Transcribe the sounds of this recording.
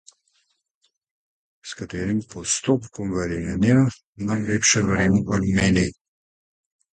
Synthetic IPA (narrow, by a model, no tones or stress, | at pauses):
skat̪eːɾimpɔst̪opkɔmvɛɾenja | namlepʃɛvɾemvɐlumeːni